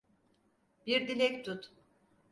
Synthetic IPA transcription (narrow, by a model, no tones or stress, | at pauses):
biɾd̪ilʲɛk̚ʲt̪ʰut̪